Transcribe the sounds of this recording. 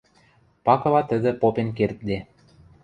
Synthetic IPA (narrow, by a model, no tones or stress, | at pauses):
pɑkɤ̆lɑt̪ə̆d̪ə̆popenkert̪̚d̪e